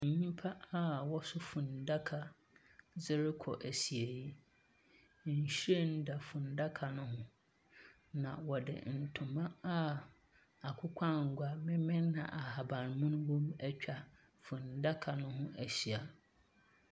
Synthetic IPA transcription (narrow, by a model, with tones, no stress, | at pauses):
ɲĩ˦m˦pʰa˦a˦˨wɔ˦sʊ˦fʊ̃˨n˨da˦kʰa˨ | d͡zɪ˦ɾɪ˦kʰɔ̰˨ʔæ˨ɕi˨e˨ji˦ | n̩˨ɕe˦˨n̩˦da˨fʊ̃˨n˨da˦kʰa˨nʊ̃˦ɦʊ̃˦ | nã˨wɔ˨dɪ̰˨n̩˨tʰʊ̃˨mã˦a˦ | a˨kʷʰʊ˦kʷʰã˦ŋ̩˨ɡʷa˦mɪ̃˦mɪ̃˦nː˦ã̰˨ʔa˨ha˨bã˨n˨mʊ̃˦nʊ̃˦wɔ̃˦mɛ˦t͡ɕᶣʰa˨ | fʊ̃˨n˨da˦kʰa˨nʊ̃˦ɦʊ̃˦æ˨ɕi˨a˨